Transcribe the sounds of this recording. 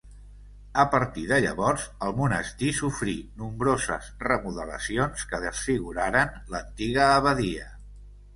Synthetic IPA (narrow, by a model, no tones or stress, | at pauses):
əpəɾt̪iðəʎə̰βɔɾzəlˠmunəst̪isufɾinumbɾozə̰zrəmuðələ̰sionskəðəsfiɣuɾaɾənlənt̪iɣ̞əːβəðiə